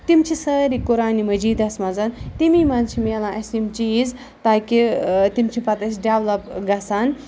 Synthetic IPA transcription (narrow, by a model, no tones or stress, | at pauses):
t̪imt͡ʃʰisɐːɾikuɾaːnimɐd͡ʒiːd̪ɐsmɐzɐnt̪imimɐnt͡ʃʰimeːlãːʔɐsimt͡ʃiːz | t̪aːkit̪imt͡ʃʰipɐt̪ɐsiɖeʋlɐpɡɐsɐn